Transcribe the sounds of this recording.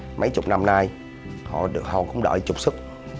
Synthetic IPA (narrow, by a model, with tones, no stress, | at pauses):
mə̰˨˧˦jt͡ɕʊ̰˨˩k͡p̚na˧mnaː˧j | hɔ̰˧˨ɗɨ˨˩ək̚hɔ˨˩kʊ̰˧˥wŋ͡mɗə̰ː˧˨˩jt͡ɕʊ˨˩k͡p̚sɨ˦˥k̚